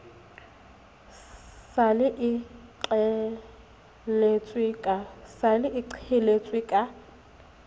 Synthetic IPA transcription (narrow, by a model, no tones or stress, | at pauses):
salɪʔɪǃɛ | let͡sʼwɪkʼasalɪʔɪǀʰhɪlet͡sʼwɪkʼa